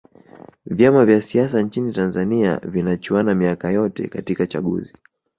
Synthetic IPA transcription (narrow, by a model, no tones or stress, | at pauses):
vjamavjasiasant͡ʃinitanzania̰vinat͡ʃuanamiakajɔtɛ̰katikat͡ʃa̰ɠṵzi